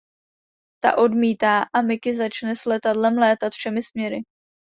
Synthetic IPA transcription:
t̪a̰ʔo̞dmiːt̪aːʔamɪkɪzat͡ʃnɛslɛt̪adlɛmlɛːt̪at̪fʃɛmɪsmɲɛɾɪ

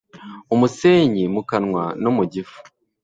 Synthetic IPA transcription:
umuse̞ːɲimukanŋwanomuɟifu̥

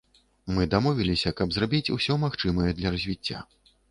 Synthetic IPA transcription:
mɨd̪amɔvʲilʲisʲɐkɐbzrabʲit͡sʲṵsʲɔmaxt͡ʂɨmɐjɛd̪lʲɐɾɐzʲvʲit͡sʲːa̰

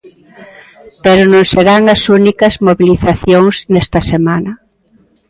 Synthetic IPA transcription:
peɾʊnõŋseɾaŋɐsunikɐzmoβiliθaθjoŋsnɛst̪ɐsemanɐ

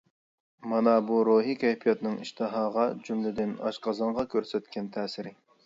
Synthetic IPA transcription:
mɑnɑbuɾoɦikʲʰɛjpʰijɑt̪nɨŋḭʃt̪ʰɨɦɑːʁɑd͡ʒymlɪd̪ɪnɑ̰ʃqʰɑzɑɴʁɑkʲʰøɾsɛt̪kʲɛnt̪ʰɛːsɪɾɪ

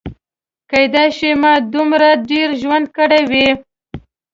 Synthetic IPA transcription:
kajd̪ɑʃimɑd̪umɾaɖeɾʒwand̪̚kəɽajwi

